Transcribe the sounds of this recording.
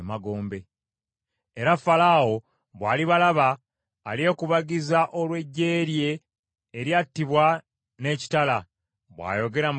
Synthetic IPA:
maɡo̞ːmbe̞ | eɾafalaːwo̞ | βwaːliβalaβaː | lje̞kuβaɡizaʔo̞lwe̞ɟːe̞ːɾje̞ː | ɾjatːiβwa | ne̞ːci̥tala | βwa̰ːjo̞ɡe̞ɾam

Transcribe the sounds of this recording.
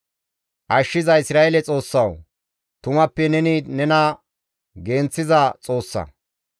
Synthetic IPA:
ʔɐʃːɪzɐɪsɾaːelɛt͡sʼo̞ːsːɐw | t̪ʊmɐpːɛnɛnɪnɛnɐ | ɡe̞ːnt͡sːɪzɐt͡sʼo̞ːsːɐ̰

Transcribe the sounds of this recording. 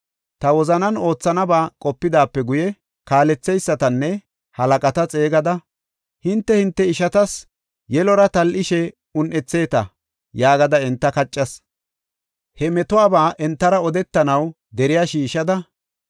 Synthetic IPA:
t̪ɐwɔzɐnɐno̞ːt͡sːɐnɐbaːkʼɔpːɪd̪aːpːɛɡʊjɛ | kaːlɛt͡sːɛjsːɐt̪ɐnːɛ | hɐlɐkʼɐt̪ɐt͡sʼe̞ːɡɐd̪ɐ | hɪnt̪ːɛhɪnt̪ːɛɪʃɐt̪ɐs | jɛlɔɾɐt̪ɐlʔɪʃɛ | ʊnʔɛt͡sːe̞ːt̪ɐ | jaːɡɐd̪ɐɛnt̪ːɐkɐt͡ʃʼːɐs | hɛmɛt̪ʊaːbaːʔɛnt̪ːɐɾɐɔd̪ɛt̪ːɐnɐw | d̪ɛɾɪjaːʃiːʃɐd̪ɐ

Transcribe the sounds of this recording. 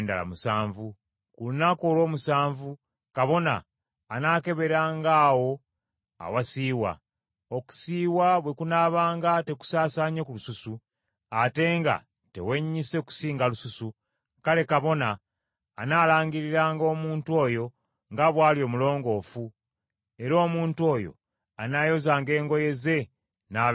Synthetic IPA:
nda̰la̰musaːɱvu | kulunakolwo̞ːmusaːɱvu | kaβo̞na̰ː | naːke̞βe̞ɾaːŋɡaːwo̞ | a̰wasiːwa̰ | oku̥siːwaβwe̞kunaːβaːŋɡate̞ku̥saːsaːɲekulususu | ate̞ŋɡa̰ | te̞̰we̞ɲːise̞ku̥siːŋɡalususu | kale̞kaβo̞naː | naːlaːɲɡiɾiɾaːŋɡo̞ːmuːntuo̞ːjo̞ | ŋɡaβwaːljo̞ːmulo̞ːŋɡo̞ːfu | e̞ɾo̞ːmuːntuo̞ːjo̞̰ | anajo̞zaːŋɡe̞ːŋɡo̞je̞ze̞ | na

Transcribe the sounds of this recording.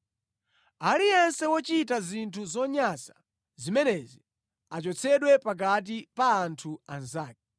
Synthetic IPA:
alijɛnsɛwɔt͡ʃitazintʰuzɔɲasḁ | zimɛnɛzi | at͡ʃɔt͡sʰɛɗwɛpak̬at̬ipaːntʰuanzaːk̚ɛ

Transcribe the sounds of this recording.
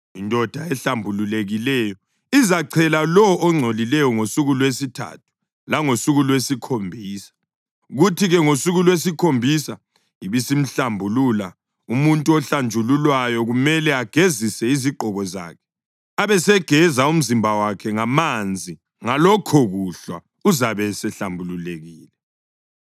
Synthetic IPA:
indʱɔd̥ʱaɛɬambʱululeɣilɛjɔ | izaǀʰɛlalɔʔːŋ͡ǀʱolilɛjɔŋosuɣulwesitʰa̰tʰu̥ | laŋosuɣulwesikʰombʱiːsḁ | ɣutʰiɣɛŋosuɣulwes̬ikʰombʱisa | iβisim̩ɬambʱulula | umuntʼuɔɬand͡ʒʱululwajɔɣumɛlɛaɡ̥ʱezisɛiziǃʱɔɣɔza̰ːkʰɛ̥ | aβɛsɛɡ̥ʱɛzaum̩zimbʱawakʰɛŋamand͡zʱi | ŋalɔkʰɔɣuɬwa̰ | uzaβɛsɛɬambʱululeɣiːlɛ

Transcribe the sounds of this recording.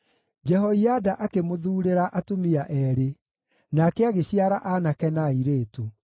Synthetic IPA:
d͡ʒɛɦɔiadaʔakemoðuːɾeɾaʔatomiaʔɛɾe | nakɛaɣeɕiaɾaʔanakɛnaiɾeːtu

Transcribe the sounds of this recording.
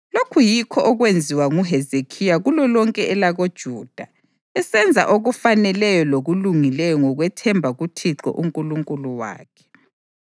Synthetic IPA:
lokʰujikʰɔʔɔɣwend͡zʱiwaŋuɦɛzekʰijaɣulɔlɔŋkʼɛʔɛlaɣod̥ʒ̥ʱuːd̥ʱa | ɛsɛnd͡zʱa̰ʔoɣufanɛlɛjɔloɣuluŋilɛjɔŋɔɣwɛtʰɛmbʱaɣutʰiǁɔ̰ʔuŋkʼuluŋkʼuluwa̰ːkʰɛ̥

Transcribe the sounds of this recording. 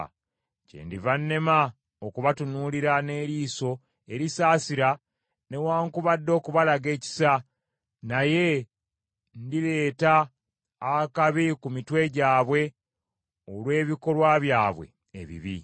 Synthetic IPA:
cḛndivanːe̞ma | okuβatunuːliɾane̞ːɾiːso̞ | eɾisaːsiɾa | ne̞waːŋkuβadːo̞ːkuβalaɡe̞ːci̥sa | naje̞ | ndiɾe̞ːtaː | kaβikumitwe̞ɟaːβwe̞ | olwe̞ːβiko̞lwaβjaːβwe̞̰ː | βḭβḭ

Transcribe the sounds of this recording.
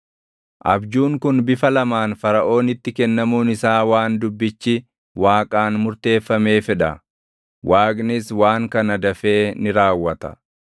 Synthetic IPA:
ʔɐ̰bd͡ʒuːŋkʊnbɪfɐlɐmaːnfɐɾɐʔo̞ːnɪt̪ːɪkɛnːɐmuːnɪsaːwaːnd̪ʊbːɪt͡ʃːɪ | waːkʼaːnmʊɾt̪e̞ːfːɐme̞ːfɛᶑɐ | waːkʼnɪswaːŋkɐnɐd̪ɐfe̞ːnɪɾaːwːɐt̪ɐ̰

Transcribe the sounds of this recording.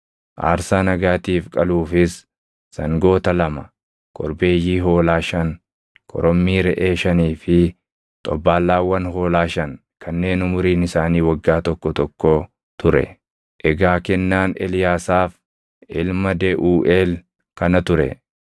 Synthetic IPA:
ʔa̰ːɾsaːnɐɡaːt̪iːfkʼɐluːfɪs | sɐŋɡo̞ːt̪ɐlɐmɐ | kʼɔɾbe̞ːjiːɦo̞ːlaːʃɐŋ | kʰʼɔ̰ɾɔmːiːɾɛʔeːʃɐniːfɪ | t̪ʼɔbːaːlːaːwːɐnho̞ːlaːʃɐŋ | kʰɐnːe̞ːnʊmʊɾiːnɪsaːniːwɐɡːaːt̪ɔkːɔt̪ɔkːoː | t̪ʊɾɛ̰ | ʔɛɡaːkɛnːaːnɛ̰lɪjaːsaːf | ɪlmɐd̪eʔuːʔeːl | kɐnɐt̪ʊɾɛ̰

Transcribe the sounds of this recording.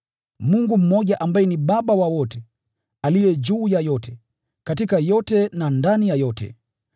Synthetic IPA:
muŋɡum̩mɔʄaʔambajɛniɓaɓawawɔtɛ | alijɛd͡ʒuːjajɔtɛ | katikajɔtɛnandanijajɔtɛ̰

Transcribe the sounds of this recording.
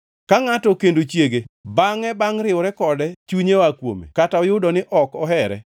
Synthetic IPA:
kaŋatɔkendot͡ʃjeɡebaŋɛbaŋɾɪwɾɛkɔdɛt͡ʃuɲewakwo̰mḛkataɔjʊdɔnɪʔɔkɔɦɛɾɛ̰

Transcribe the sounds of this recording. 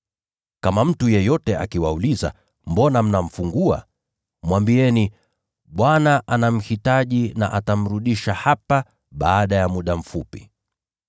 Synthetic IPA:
kamam̩tujɛjɔtɛa̰kiwauliza̰ | mbɔnam̩nam̩fuŋɡua̰ | mwambiɛni | ɓwanaʔanam̩hitaʄina̰ʔatam̩ɾuɗiʃahapa | ɓaːɗajamuɗam̩fupi

